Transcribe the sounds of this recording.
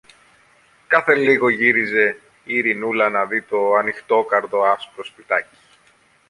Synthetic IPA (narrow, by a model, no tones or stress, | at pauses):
kɐθe̞liɣo̞ʝiɾize̞ | iɾinulɐnɐðit̪o̞ɐnixt̪o̞kɐɾðo̞ɐspɾo̞spit̪ɐci̥